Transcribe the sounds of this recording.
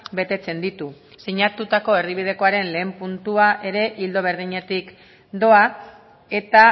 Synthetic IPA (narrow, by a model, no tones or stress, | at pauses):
be̞t̪e̞t͡se̞nd̪it̪u | siɲat̪ut̪ako̞e̞riβ̞ið̞e̞ko̞aɾe̞nle̞ːmpunt̪uaʔe̞ɾe̞ʔild̪o̞β̞e̞ɾð̞iɲe̞t̪ik | d̪o̞a | e̞t̪a